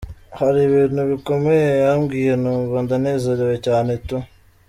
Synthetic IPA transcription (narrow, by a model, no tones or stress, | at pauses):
haɾiβiːnhuβiko̞mejejamɡiːjenumβondaneːzaɾewecaːne̞tu